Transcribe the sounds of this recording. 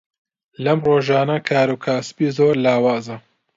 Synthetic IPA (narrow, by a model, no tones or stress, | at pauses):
lɐmroːʒɑːnɐkʰaːɾukʰaːsbiːzoːɾlaːwaːzɐ